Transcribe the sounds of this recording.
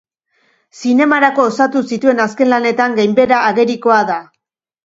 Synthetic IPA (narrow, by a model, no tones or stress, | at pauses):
sine̞maɾako̞ːsat̪usit̪ue̞naske̞nlane̞t̪aŋɡejmbe̞ɾaːɣe̞ɾiko̞aða